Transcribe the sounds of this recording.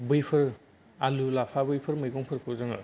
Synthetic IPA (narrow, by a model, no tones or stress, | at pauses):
bɯjpʰɯɾ | alulapʰabɯjpʰɯɾmɯjɡɔŋpʰɯɾkʰɯzɯŋɯ̰